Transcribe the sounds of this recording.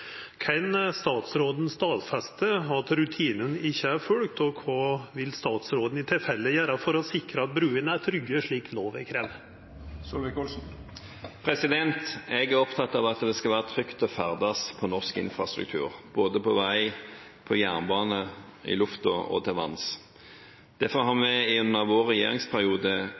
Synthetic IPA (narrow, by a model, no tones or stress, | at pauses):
kʰɛnst̪ɑːt̪sɾoːd̪n̩st̪ɑːt̪fɛst̪əɑt̪ɾʉt̪ʰiːnənɪçːəæɾfœɽk̚t̪ɔkʰɑːʋɪlst̪ɑːt̪sɾoːd̪n̩ɪt̪ʰɪlfɛlːəjæːɾɑfɔɾɔsɪkɾəɑt̪̚bɾʉːənæt̪ʰɾʏɡəʂɭiːkloːʋɪkʰɾɛʋ | sɔlʋɛkɔlsn̩ | pʰɾɛsɪd̪ɛnt̪ɛɡæʁɔpt̪ʰɑt̪ːɑʋɑt̪d̪ɛskɑʋæːʁət̪ʰʁʏkt̪ɔfæʁd̪ɑspʰɔnɔʁskɪ̰nfɾɑst̪ɾʉ̰k̚t̪ʰʉ̰ːʁb̥oːd̪əpʰɔʋæɪ | pʰɔjæʁnbɑːnə | ɪ̰lʉft̪ɔ̰ʔɔ̰t̪ʰɛlʋɑ̰ns | d̪̥æfɔʁhɑʁmɛɪʉnːəʁʋoːʁɛjḛːʁɪŋspʰæʁɪuːd̪ə